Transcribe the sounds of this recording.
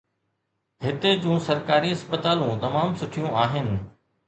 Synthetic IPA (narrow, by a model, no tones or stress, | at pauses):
ɦɪt̪ed͡ʑũːsɐɾkaːɾiɦɐspət̪aːlũt̪ɐmaːmsʊʈʰijũaːɦɪnɪ̆